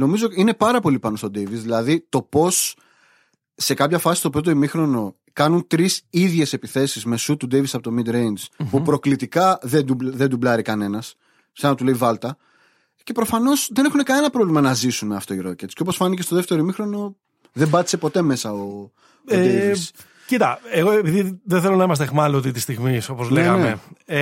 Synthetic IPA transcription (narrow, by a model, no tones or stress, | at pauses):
no̞mizo̞ine̞pɐɾɐpo̞lipɐno̞st̪o̞d̪ejviszðilɐðit̪o̞po̞s | e̞kɐpçɐfɐsi̥st̪o̞pɾo̞t̪oimixɾo̞no̞ | kɐnunt̪ɾisiðʝe̞se̞piθe̞sizme̞sut̪ud̪ejvisɐpo̞t̪o̞mid̪ɾejnd͡zpupɾo̞klit̪ikɐðed̪uðe̞nd̪ublɐɾikɐne̞nɐs | sɐnɐt̪uleivɐlt̪ɐ | ce̞pɾo̞fɐno̞sðe̞ne̞xune̞kɐne̞nɐpɾo̞vlimɐnɐzisuneɐft̪o̞iɾo̞cet̪sceop̬o̞sfɐnicest̪o̞ðeft̪e̞ɾoimixɾo̞no̞ | ðe̞bɐt̪i̥se̞po̞t̪e̞me̞sɐo | od̪evis | cit̪ɐeɣoepiðiðeθe̞lo̞nɐimɐst̪eɣmɐliot̪it̪ist̪iɣmiso̞pozleeɣɐnmee